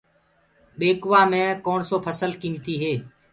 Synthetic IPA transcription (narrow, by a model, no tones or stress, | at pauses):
ɓeːkʋaːmẽːkoːɳsoːpʰəsəlkĩːnt̪iːɦeː